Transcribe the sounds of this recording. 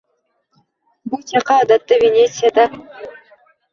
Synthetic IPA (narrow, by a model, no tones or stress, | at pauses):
but͡ʃɑqɑːd̪at̪ːɯvʲenʲet̪sɨjad̪a